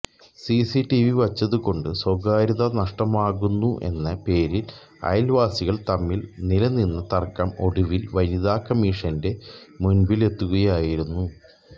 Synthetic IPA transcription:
sisiʈːiʋiʋɐt͡ɕːɐðuko̞ɳɖɨswoɡaːɾiðɐnɐʂʈɐmaːɣunːuʔe̞̰nːɐpe̞ːɾil | ɐ̰jlʋaːsiɣɐɭt̪ɐmːilnilɐninːɐt̪ɐrkːɐmo̞ɽuʋilʋɐniðaːkːɐmiːʂɐnde̞munbile̞t̪ːuɣɐjaːjiɾunːu

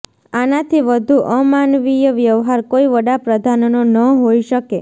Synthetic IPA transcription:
anat̪ʰiʋəd̪ʱuʔəmanʋijəʋjəʋɦaɾkoiʋəɽapɾəd̪ʱannonəɦoiʃəke

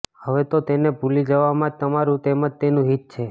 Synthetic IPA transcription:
həʋet̪ot̪enebʱulid͡ʒəʋamãt̪əmaɾũt̪eməd͡ʒ̚t̪enũɦit̪̚t͡ʃʰe

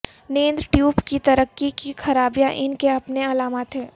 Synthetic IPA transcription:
nẽːnd̪ɾəʈjuːbkit̪ɐɾəkːikixʰɐɾaːbjãʔɪnkeɐpneɐlaːmaːt̪ɦɛ̃ː

